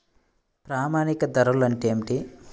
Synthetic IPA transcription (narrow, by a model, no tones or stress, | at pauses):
pɾaːmaːnikɐd̪ɐɾɐlɐɳʈeːmiʈi